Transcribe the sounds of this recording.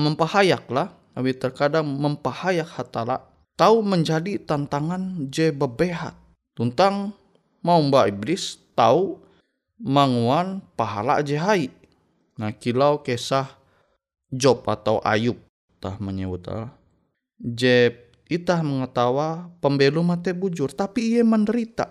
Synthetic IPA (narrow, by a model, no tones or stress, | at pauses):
məmpahajak̚lah | awit̪ərkadaŋməmpahajak̚hat̪ala̰ʔ | t̪auməɲd͡ʒadit̪ant̪aŋand͡ʒɛbəbeɦa̰t̪̚ː | unt̪aŋ | maumbaiblɪst̪au | maŋuanpaɦala̰d͡ʒɛɦaiʔ | nahkilawkesah | d͡ʒɔpa̰t̪awʔa̰jup̚ | t̪a̰hməɲəbut̪a̰lah | d͡ʒɛp̚ | it̪ahməŋət̪awapəmbelumat̪ɛbud͡ʒʊrt̪apiːjɛməndəɾit̪a̰